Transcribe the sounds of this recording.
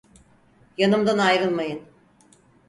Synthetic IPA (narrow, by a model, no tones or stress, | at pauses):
janɯmd̪anajɾɯlˠmajɯn